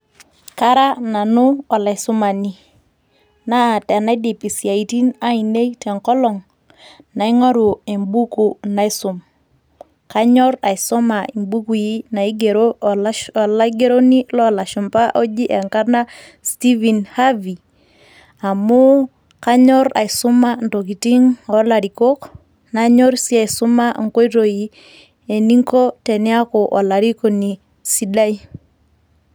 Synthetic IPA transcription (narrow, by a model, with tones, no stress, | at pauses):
ka˦ɾa˦na˨nʊ˦ɔ˨la˨ɪ˨sʊ˦ma˨ni˦ | na˦˨tɛ˨na˦i˦di˨pi˨si˨a˨i˨ti˦na˦i˨ne˦tɛ˨ŋkɔ˦lɔ˨ŋ | na˨i˦ŋɔ˦ɾu˨e˨mbu˦ku˨na˨ɪ˦sʊ˨m | ka˦ɲɔ˦ɾa˨i˨sɔ˦ma˨i˨mbu˦ku˨ji˦na˨i˦ɡe˨ɾo˦˨ | la˦ɡe˦ɾo˦ni˦lɔ˦˨la˨ʃɔ˨mpa˦ʔɔ˦d͡ʒi˦ʔɛ˨ŋka˦rna˦ | sti˦vi˨nha˦vi˨ | a˨mʊ˦ | ka˦ɲɔ˦ɾa̰˨i˨sʊ˦ma˦n˨to˨ki˨ti˦ŋɔ˨˦la˨ɾi˨ko˦k | na˨ɲɔ˦ɾsi˦a˨i˨sʊ˦ma˦˨ŋ̩˨ko˦i˦to˨ji˨ | e˨ni˦ŋkɔ˦tɛ˨nɪ˦a˦kɔ˨ʔɔ˨la˨ɾi˦ko˨ni˨ | si˦da˦i˦